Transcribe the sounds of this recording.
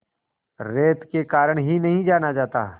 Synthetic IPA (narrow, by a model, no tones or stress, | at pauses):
ɾeːt̪kekaːɾəɽ̃ɦinɐɦĩd͡ʒaːnad͡ʒaːt̪a̰ː